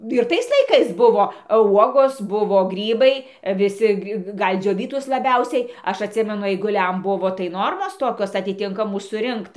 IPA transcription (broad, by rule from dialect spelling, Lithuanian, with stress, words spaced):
ɪr ˈtɐɪs lˠɐɪˈkɐɪs ˈbʊʋoː ˈuɔɡoːs ˈbʊʋoː ˈɡrʲiːbɐɪ ʋʲɪˈsʲɪ ˈɡɐlʲ ˈd͡ʒʲoːʋʲiːtʊs lˠɐˈbʲɛʊsʲɛɪ ˈɐʃ ɐtʲˈsʲɪmʲɛnʊ ɐɪɡʊˈlʲɛm ˈbʊʋoː tɐɪ ˈnoːrmoːs ˈtoːkʲoːs ɐtʲɪˈtʲɪŋkɐmuː sʊˈrʲɪŋkt